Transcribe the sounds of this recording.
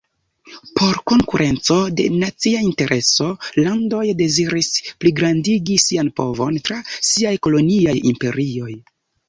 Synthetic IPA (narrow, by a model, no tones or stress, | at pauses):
pʰo̞ɾko̞ŋkuɾʔe̞nt͡so̞de̞̰nat͡siainte̞ɾʔe̞so̞lando̞jde̞ziɾispliɡɾandiɡisianpo̞̰vo̞ntɾasiajko̞lo̞niajimpe̞̰ɾio̞j